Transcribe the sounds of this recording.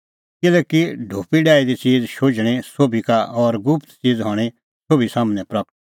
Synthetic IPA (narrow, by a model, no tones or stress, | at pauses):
kɪlɛkiɖʱoːpiɖaːid̪it͡siːd͡zʃoːd͡ʒɽ̃ẽsoːbʱikaʔɔːɾɡʊpʰt̪t͡siːd͡zɦɔɽ̃e | soːbisaːmnɛpɾɐk̚ʈ̪̚